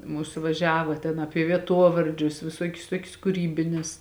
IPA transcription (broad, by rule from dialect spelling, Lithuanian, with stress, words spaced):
ˈmuːsʊ ʋɐˈʒʲæːʋɐ tʲɛn ˈɑːpʲiɛ ʋʲiɛˈtuɔʋɐrʲd͡ʒʲʊs ʋʲɪˈsuɔkʲʊs ˈtuɔkʲʊs kʊˈrʲiːbʲɪnʲɪs